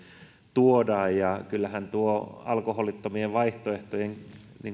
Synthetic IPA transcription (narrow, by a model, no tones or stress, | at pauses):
t̪uodɑːjjɑkylːæhænt̪uoɑ̰lkoholit̪ːomieʋɑiht̪oeht̪ojeŋniŋ